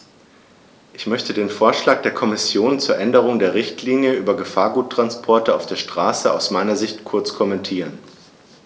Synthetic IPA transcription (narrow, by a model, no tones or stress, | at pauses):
ʔɪçmœçtədeːnfoːɐʃlaːk̚d̥eːɐkʰɔmɪsjoːnt͡suːɐʔɛndəʁ̞ʊŋdeːɐʁ̞ɪçtʰliːnjəʔyːbɐɡəfaːɐɡuːtʁ̥anspʰɔɐtəa̰ʊfd̥eːɐʃtʁ̥aːsəaʊsmaɪnɐzɪçtkʰʊɐt͡skʰɔmɛntʰiːʁ̞ən